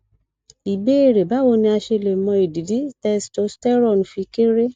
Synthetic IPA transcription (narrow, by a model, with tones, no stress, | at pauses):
i˨be˦e˦˨ɾe˨ba˨˦wo˧˦nĩ˧a˧ʃe˧le˨mɔ̃˧i˨di˨˦di˨˦tɛ˧sto˨˦stɛ˦ɾɔ˦˨n˨fi˧ke˦ɾe˦